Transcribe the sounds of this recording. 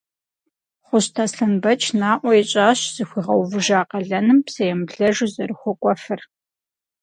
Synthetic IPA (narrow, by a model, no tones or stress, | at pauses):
χʷʊɕtʰaːsɬɐnbɐt͡ʃʼʰnaːʔʷɔɛt͡ʃʼaːɕz̥ɨxʷiʁɐwvɨʒaːqɐɮɐnɨmpsɐjɛmɮɐʒuzɐɾɨxʷɔkʷʼɔfɨr